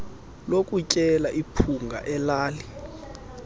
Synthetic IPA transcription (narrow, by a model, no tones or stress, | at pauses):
lokʼut͡ʃʼɛlaʔipʰuŋɡʱa̰ʔɛlaːli